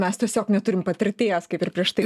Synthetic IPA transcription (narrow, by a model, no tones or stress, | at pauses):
mʲɛst̪ʲiɛsʲoːknʲɛt̪ʊɾʲɪmpɐt̪ʲɪɾʲt̪ʲeːjɛskɐɪpɪɾpʲɾʲiɛʃt̪ɐɪ